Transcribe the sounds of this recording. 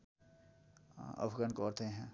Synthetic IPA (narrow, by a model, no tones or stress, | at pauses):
ə̰pʰɡankɔːɾt̪eɦɛ̃ː